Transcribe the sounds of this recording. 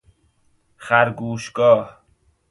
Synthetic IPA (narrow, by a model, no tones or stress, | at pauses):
χæɾɡuːʃɡɒːh